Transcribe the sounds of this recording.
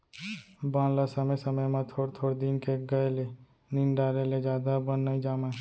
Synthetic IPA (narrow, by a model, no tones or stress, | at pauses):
bãːnlasəməjsəməjmãt̪ʰoːɽt̪ʰoːɽd̪inkeɡəele | ninɖaːɾeled͡ʒjaːd̪abənːəĩd͡ʒaːmẽː